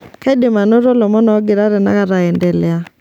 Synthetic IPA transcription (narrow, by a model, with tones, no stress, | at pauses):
ka˦i˦de˨ma˨no˦ɾɔ˦lɔ˨mɔ˦nɔː˨˦ɡɪ˨ɾa˦ɾɛ˨na˦ka˨ɾa˨ɛ˨ndɛ˨lɛ˨a˦